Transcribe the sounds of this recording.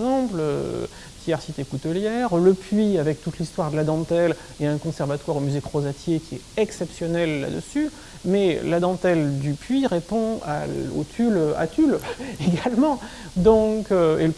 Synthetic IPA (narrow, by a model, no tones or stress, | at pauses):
ɑ̃plø | t̪jɛʁsit̪ekut̪ɔljɛʁləpɥiavɛk̚t̪ut̪list̪waʁd̪əlad̪ɑ̃t̪ɛl | eɛ̃kɔ̃sɛʁvat̪waʁomyzekχozat̪jekʲiɛtɛksɛpsjɔnɛlːa̰d̪ə̰sy | mɛlad̪ɑ̃t̪ɛld̪ypɥiʁepɔ̃a̰o̰t̪ʰyla̰t̪yleɡalmɑ̃d̪ɔ̃køel